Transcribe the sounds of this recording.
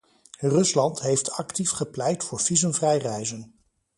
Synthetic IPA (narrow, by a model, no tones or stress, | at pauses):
rɵslɑntɦejftɑktifχəplɛjtfʊːɹv̥izənvrɛjrɛjzən